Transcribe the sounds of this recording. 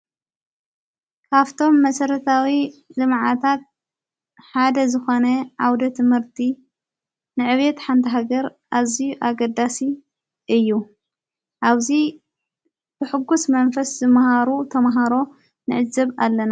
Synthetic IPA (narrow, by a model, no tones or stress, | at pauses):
kʰaβt̪ʰo̞mːɐsɐɾɐt̪ʰawizɨmʕat̪ʰat̪̚ | ħad̪ɐzɨxo̞nɐʕawd̪ɐt̪ʰɨmhɨɾt̪ʰi | nɨʕɨβjet̪ħant̪ʰɐɦaɡɐɾ | ʔaβzijuʔaɡɐd̪ːasi | ʔɨjːu | ʔaβzi | b̥ɨħɨɡːusmɐnfɐszɨmhaɾut̪ʰɐmaɦaɾo̞ | nɨʕɨzɐβalːɐna